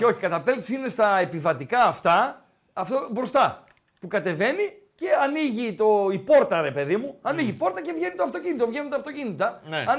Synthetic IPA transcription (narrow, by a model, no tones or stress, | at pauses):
eo̞çikɐt̪ɐpelt̪isinest̪ɐe̞pivɐt̪ikɐːft̪ɐ | ɐft̪obɾo̞st̪ɐ | pukɐt̪e̞ve̞ni | ce̞ɐniʝit̪o̞ipo̞ɾt̪ɐɾe̞pe̞ðimuɐniʝipo̞ɾt̪ɐcevʝe̞nit̪oɐft̪o̞cinit̪o̞vʝenit̪ɐft̪o̞cinit̪ɐnɐ